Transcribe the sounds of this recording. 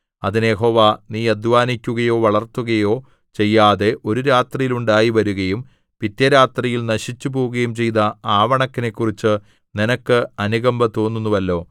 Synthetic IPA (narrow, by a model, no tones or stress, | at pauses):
ɐðinjeɦo̞ːʋaːniːɐd̪ʋaːnikʲːuɣɐjo̞ːʋɐɭɐrt̪ːuɣɐjo̞ː | t͡ɕe̞jːaːðe̞ʔo̞ɾuɾaːt̪rijiluɳɖaːjiʋɐɾuɣɐjum | pit̪jɐɾaːt̪rijilnɐɕit͡ɕːupo̞ːuɣɐjumt͡ɕe̞jnɐaːʋɐɳɐkːine̞kːurit͡ɕːɨ | ninɐkːɨɐnuɣɐmbɐt̪o̞ːnːunːuʋɐlːo̞ː